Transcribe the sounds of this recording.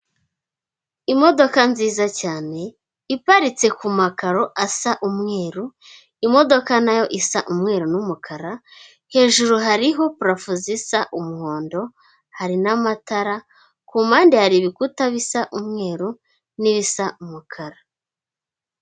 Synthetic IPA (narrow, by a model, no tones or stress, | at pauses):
imo̞do̞kanziːzacaːne̞ | ipaɾit͡se̞kumakaɾo̞ʔasaʔumŋe̞ːɾu | imo̞do̞kanajo̞ʔisaʔumŋe̞ːɾunumukʰaɾa | he̞ːʒuɾuɦaɾiɦo̞puɾafuzisaʔumuho̞ːndo̞ | haɾinamataɾa | kumaːndihaɾiβikutaβisaʔumŋe̞ːɾu | niβisaʔumukʰaɾa